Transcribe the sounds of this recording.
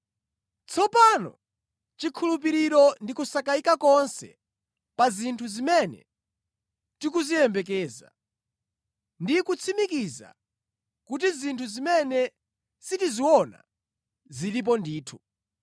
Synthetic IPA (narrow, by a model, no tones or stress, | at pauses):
t͡sʰɔpanɔ̰ | t͡ʃikʰulupiɾiɾɔndikusakaikakɔnsɛ̰ | pazintʰuzimɛnɛ̰ | tikuzijɛmbɛk̬ɛːza̰ | ndikut͡sʰimikiza̰ | kut̬izintʰuzimɛnɛ | sitiziwɔna̰ | zilip̬ɔndiːtʰu